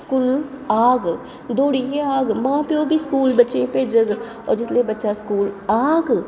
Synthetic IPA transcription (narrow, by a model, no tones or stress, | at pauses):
skuːl | aːɡ | d̪oːɽijeaːɡmãːpeobʱiskuːlbɐtːʃẽpeːd͡ʒəɡ | ɔ̰ːɾd͡ʒɪsliebɐtːʃaskuːlaːɡ